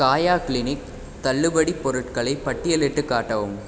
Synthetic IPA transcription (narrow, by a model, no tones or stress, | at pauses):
kaːjaːklɪnɪk̚ | t̪ɐɭːɯʋɐɽipːɔɾɯʈkɐɭɐɪpɐʈːɪjɐlɪʈːɯkːaːʈːɐʋɯm